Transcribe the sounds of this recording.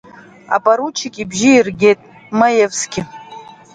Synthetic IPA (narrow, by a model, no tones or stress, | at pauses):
a̰pʼaɾut͡ʃʰɪkʼibʒiːrɡʲetʼ | majevsɡʲɪ